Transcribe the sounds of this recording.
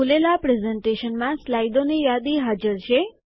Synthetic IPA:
ulelapɾezeɳʈeʃənmãslajd̪onejad̪iɦad͡ʒəɾʃe

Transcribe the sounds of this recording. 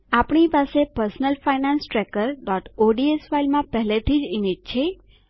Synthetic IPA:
apɳipasepəɾsnəlfainãnsʈɾɛkəɾɖɔʈoɖiesʋailmãpɛɦlet̪ʰid͡ʒimed͡ʒ̚t͡ʃʰe

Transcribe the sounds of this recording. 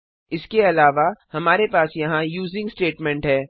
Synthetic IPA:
ɪskeɐlaːʋahɐmaːɾepaːsjɐɦãjuːzɪ̃ŋɡsʈeːʈmɛ̃ɳʈɦɛː

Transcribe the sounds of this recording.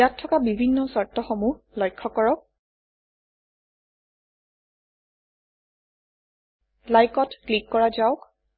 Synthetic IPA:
atʰːɔkabibʱinːɔsɔɹtɔxɔmu | lɔjkʰːɔkɔɹɔk̚ | lajkɔtklikːɔɹazaʊk

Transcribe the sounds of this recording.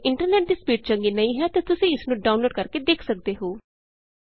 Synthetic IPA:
ɪɳʈəɾnɛːʈ̚d̪iːspiːʈ̚t͡ʃəŋɡiːnəĩːɦɛːt̪aːt̪ʊsĩːɪsnũːɖaːʊnloːɖkəɾkeːd̪eːkʰsək̚d̪eːɦoː

